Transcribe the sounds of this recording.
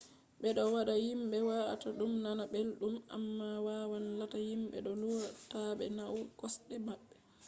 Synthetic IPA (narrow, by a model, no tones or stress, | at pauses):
ɓɛɗɔwaɗahimɓɛwataɗumnanabelɗuma̰mːawaːwanlatahimɓɛ̰ɗɔluwataɓɛ̰nawkɔsɗɛmaɓːɛ